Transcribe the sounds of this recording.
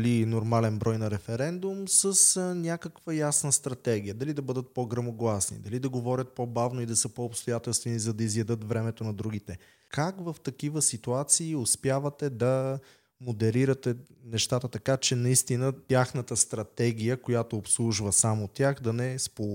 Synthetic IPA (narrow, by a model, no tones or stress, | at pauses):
linoɾmalɛnbɾɔjnɐɾɛfɛɾɛnd̪umsəsnʲakəkvəjasnəst̪ɾɐt̪ɛɡijəd̪ɐlid̪ɐbɤd̪ət̪̚poɡɾɐmoɡlˠasnḭd̪ɐlid̪ɐɡovɔɾʲət̪̚pobavnoid̪ɐsəpoːpst̪ojat̪ɛlˠst̪vɛnizɐd̪ɐizjɐd̪ɤt̪vɾɛmɛt̪onɐd̪ɾuɡ̟it̪ɛ | kakvəft̪ɐkivəsit̪uat̪siːʊspjavɐt̪ɛd̪ɐ | mod̪ɛɾiɾət̪ɛnɛʃt̪at̪ət̪ɐkat͡ʃɛnɐist̪inət̪ʲjaxnət̪əst̪ɾɐt̪ɛɡʲijəkojat̪oːpslˠuʒvəsamot̪ʲjaxd̪ɐnɛspo